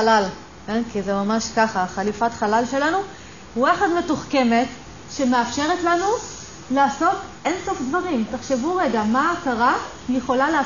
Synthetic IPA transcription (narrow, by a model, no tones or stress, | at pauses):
lal | kenkizemamaʃkaχaχalifatχalalʃe̞lanu | uaχadme̞tuχkeme̞t | ʃemeafʃe̞ʁetlanu | laːso̞tʔenso̞fdvaʁimtaχʃe̞vuʁe̞ɡamaːkaʁa | jeχo̞lalea